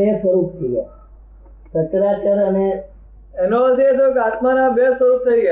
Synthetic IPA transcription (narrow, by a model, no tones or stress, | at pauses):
esəɾup̚t̪ʰije | sət̪ɾat͡ʃəɾəne | enot̪et̪okat̪manãbesəɾup̚t̪ʰəiɡa